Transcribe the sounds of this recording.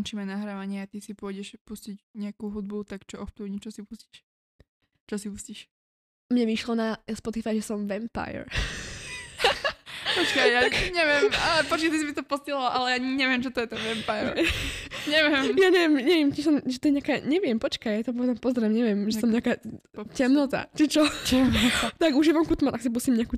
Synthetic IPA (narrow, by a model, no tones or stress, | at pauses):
ɔnt͡ʃiːmɛnaɦɾaːʋaɲɪɛat̪isipʊɔɟɛʃpuscicɲɛakuɦud̪̚but̪akt͡ʃɔʔɔxt̪uːɲit͡ʃɔsipusci̥ʃ | t͡ʃɔsipusciʃ | mɲɛʋiʃlɔnaspɔt̪ifajʒɛsɔmʋɛmpa̰jɛ̰ɾ | pɔt͡ʃkajjaɲɛʋɪɛmapɔt͡ʃkɛt̪isimit̪ɔpɔstilɔʔalɛjaɲɛʋɪɛmʒɛt̪ɔjɛt̪ɛnʋɛmpajɛɾ | ɲɛʋɪjɛmjaɲɛʋɪjɛmɲɛʋɪɛmt͡ʃiʃsɔmʒɛt̪ɔjɛɲɪakaːɲɛʋɪɛmpɔt͡ʃkajjat̪ɔpɔʋɛd͡zampɔzɾɛmɲɛʋɪjɛmʒɛsɔmɲɪakaːcɛmnɔt̪a̰t͡ʃit͡ʃɔɛt̪t̪aɡuʒiʋamkut̪mat̪aksip̬usimɲɛaku